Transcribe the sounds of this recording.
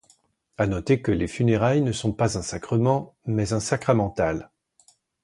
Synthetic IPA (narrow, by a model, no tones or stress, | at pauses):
anɔt̪ekəlefyneʁajnəsɔ̃pazɛ̃sakχəmɑ̃mɛzɛ̃sakχamɑ̃t̪al